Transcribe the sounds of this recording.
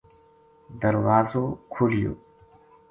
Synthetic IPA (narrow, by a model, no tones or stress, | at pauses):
d̪ɐɾwaːzoːkʰulijo̰ː